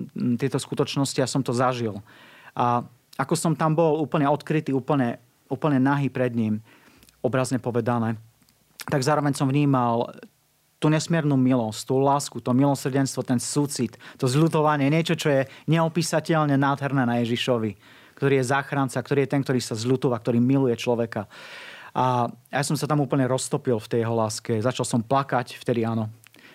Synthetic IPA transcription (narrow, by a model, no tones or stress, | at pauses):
t̪ɪɛt̪ɔskut̪ɔt͡ʃnɔsciasɔmt̪ɔzaʒilʔa | akɔsɔmt̪ambɔluːpl̩ɲɛɔt̪kɾit̪iːuːpl̩ɲɛ | uːpl̩ɲɛnaɦiːpɾɛd̪ɲim | ɔbɾazɲɛpɔʋɛd̪anɛː | t̪aɡzaːɾɔʋɛɲsɔmvɲiːmal | t̪uːɲɛsmɪɛɾnuːmilɔsct̪uːlaːskut̪ɔmilɔsrɟɛnst̪ʋɔt̪ɛnsuːt͡sit̪ːɔzʎut̪ɔʋaɲɪɛɲɪɛt͡ʃɔt͡ʃɔjɛɲɛɔpiːsacɛʎɲɛnaːd̪ɦɛɾnɛːnajɛʒiʃɔʋi | kt̪ɔɾiːjɛzaːxɾant͡sak̚t̪ɔɾiːjɛt̪ɛnkt̪ɔɾiːsazʎut̪uʋak̚t̪ɔɾiːmilujɛt͡ʃlɔʋɛkaʔajajasɔmsat̪amuːpl̩ɲɛɾɔst̪ɔpilˠft̪ɛjɛɦɔlaːskɛzat͡ʃalsɔmplakacft̪ɛd̪iaːnɔ